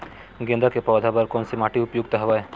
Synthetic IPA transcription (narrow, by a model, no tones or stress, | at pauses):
ɡẽnd̪ʱakepɾɔd̪ʱabəɾkɔːnsimaːʈiʊpjuɡ̚t̪ɐɦɐʋae